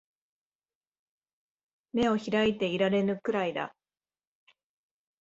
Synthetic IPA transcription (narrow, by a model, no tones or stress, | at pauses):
me̞o̞çiɾait̪e̞iɾaɾe̞nɯ̟kɯ̟ɾaid̪a̰